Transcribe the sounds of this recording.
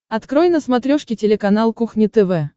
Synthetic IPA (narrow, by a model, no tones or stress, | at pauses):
ɐt̪kɾojnəsmɐt̪ɾʲoʂkʲɪtʲɪlʲɪkɐnalˠkuxnʲɪt̪ɛvɛ